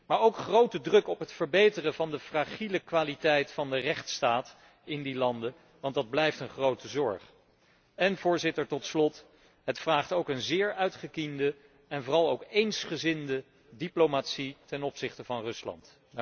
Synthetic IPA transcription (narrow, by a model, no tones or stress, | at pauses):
maːɹowkχrowtədrɵkɔpɦətfəɹbejtərəvɑndəfraːχiləkʋaːlitɛjtfɑndərɛχtstaːt | ɪndilɑndə | ʋɑndɑd̚blɛjftənχrowtəzɔɹχ | ɛnvʊːɹzɪtəɹtɔtslɔt | ɦətfraːχtowkənzɪːɹœɥtχəkində | ɛnvʊːrɑlˠowkejnsχəzɪndə | diplowmatsitɛnɔpsɪχtəvɑnrɵslɑ̰nt